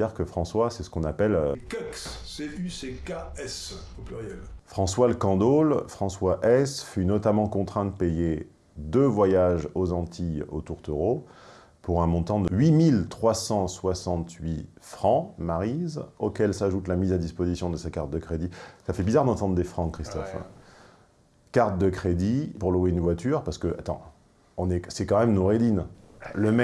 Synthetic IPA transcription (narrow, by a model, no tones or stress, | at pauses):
aʁkəfχɑ̃swasɛsə̥kɔ̃napɛløkaksːeysekaɛs | oplyʁjɛlfχɑ̃swaləkɑ̃d̪olfχɑ̃swaʔɛsfynɔt̪amɑ̃kɔ̃t̪χɛ̃d̪əpeje | d̪øvwajaʒozɑ̃t̪ʰio̰t̪uʁt̪øʁo | puʁɛ̃mɔ̃t̪ɑ̃d̪əɥimilt̪χwasɑ̃swasɑ̃t̪ɥi | fχɑ̃maʁizokʲɛlsaʒut̪lamizad̪ispozisjɔ̃d̪əsɛt̪̚kaʁt̪̚d̪əkχed̪isafɛbizaʁd̪ɑ̃t̪ɑ̃d̪ʁd̪efχɑ̃kχist̪ɔf | kaʁt̪̚d̪əkχed̪ipuʁluweynvwat̪yʁpaʁsə̥kəʔa̰t̪ɑ̰̃ | ɔ̃nɛsɛkɑ̃mɛmnoʁed̪inləmɛ